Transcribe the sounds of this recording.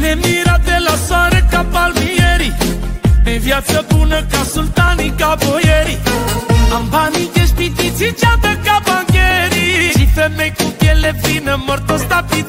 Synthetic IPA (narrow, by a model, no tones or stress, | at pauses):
nɛmiɾad̪elaswaɾəkapalmijəɾimɛvjat͡səpunəkasult̪anikabojeɾi | ambanik̪ɛʃpit̪it͡sʰit͡ʃad̪əkabaŋkeɾiʃifɛmɛjkukɛlepinəməɾt̪ost̪api